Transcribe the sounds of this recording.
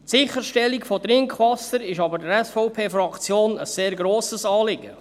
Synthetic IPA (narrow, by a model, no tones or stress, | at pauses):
sɪχəɾʃtɛlːikfɔtɾɪŋkχʋɑsːəɾɪʃɑbəɾdəɾɛsfɔʊpʰeːfɾɑkt͡sjoːnəsːeːɾɡɾoːsəsɑːlɪɡə